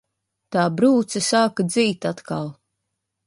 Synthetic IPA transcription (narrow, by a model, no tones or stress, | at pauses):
t̪aːbɾuːt̪sɛsaːkad̪ziːt̪at̪ka̰lˠ